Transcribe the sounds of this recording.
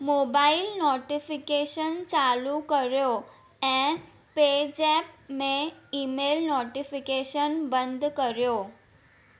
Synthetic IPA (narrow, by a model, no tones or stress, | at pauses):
moːbaːɪlnɔːʈifɪkeʃənt͡ɕaːlukəɾjo | ɛ̃ː | ped͡ʑɛːp̚mẽiːmeːlnɔːʈifɪkeʃənbə̃nd̪ʱkɐɾijoː